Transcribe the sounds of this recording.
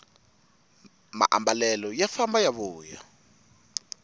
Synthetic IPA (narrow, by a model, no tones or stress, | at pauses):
ma̰ʔa̰mbalɛlɔjafambajaβuːja̰